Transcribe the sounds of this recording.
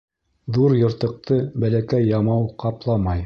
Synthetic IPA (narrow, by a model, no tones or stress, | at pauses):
ðuɾjŏɾt̪ɤ̆q̚t̪ɤbælækæjːɑmɑwqɑplˠɑmɑj